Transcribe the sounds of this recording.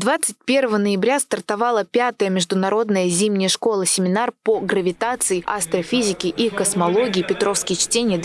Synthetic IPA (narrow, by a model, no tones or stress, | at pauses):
d̪vat̪sɨt̚ʲpʲe̞rvəvənəjɪbɾʲast̪ərt̪ɐvɑlˠəpʲat̪əjəmʲɪʐd̪ʊnɐɾo̞d̪nəjəzʲimnʲɪjəʂko̞lˠəsʲɪmʲɪnarpoɡɾəvʲɪt̪at̪sɨɪʔast̪ɾəfʲizʲɪkʲɪʔikəsmɐlˠo̞ɡʲɪːpʲɪt̪ɾo̞fskʲɪjət͡ɕtʲenʲɪjəd̪